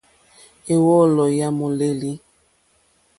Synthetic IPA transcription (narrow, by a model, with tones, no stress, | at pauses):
e˨wɔ˦˨lɔ˨ja˦mo˨le˦li˦